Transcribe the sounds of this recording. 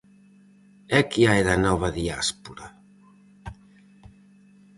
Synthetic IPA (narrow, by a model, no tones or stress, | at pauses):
ɛkiajðanɔβɐðia̰spuɾa